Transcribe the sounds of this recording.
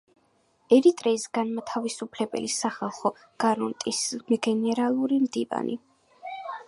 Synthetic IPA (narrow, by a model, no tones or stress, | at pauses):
ɛɾit̪ʼɾɛisɡanmat̪ʰavisupʰlɛbɛ̰lisaχalˠχɔ | ɡ̥aɾɔnt̪ʼismɡɛnɛɾalˠuɾimd̪iva̰nḭ